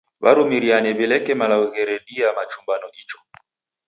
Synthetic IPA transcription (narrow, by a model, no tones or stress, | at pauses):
βa̰ɾumiɾianɛβɛlɛkɛmalauɣɛɾɛɗiamat͡ʃumbanɔʔit͡ʃɔ̥